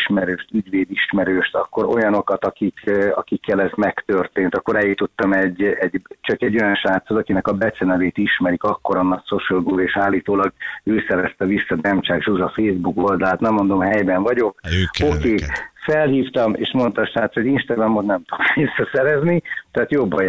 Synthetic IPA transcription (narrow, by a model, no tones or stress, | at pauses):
ʃmɛɾøːʃt̪yɟʋeːd̪iʃmɛɾøːʃt̪ɒ̰kːo̞ɾo̞̰jɒno̞kɒt̪ɒkikɒkikːɛlɛzmɛkt̪ørt̪eːnt̪ɒkːo̞ɾɛjut̪ut̪ːɒmɛɟɛɟt͡ʃɒkɛɟːo̞jɒnʃaːt̪sot̪ɒkinɛkɒbɛt̪sɛnɛveːt̪iʃmɛɾikɒkːoɾɒnːɒksoʃɛlɡudeːʃaːlːiːt̪oːlɒɡøːsɛɾɛst̪ɛʋisːɒd̪ɛmt͡ʃaːkʒuzɒfeːzbuko̞ld̪ɒlaːt̪nɛmːo̞nd̪o̞mɦɛjbɛɱvɒɟo̞k̚okeːfɛlhiːft̪ɒmḛːʃmo̞nt̪ɒːʃaːt̪soɟinʃt̪ɒɡrɒmːot̪nɛmt̪u̥visːɒsɛɾɛznit̪ɛaːt̪jo̞bːɒj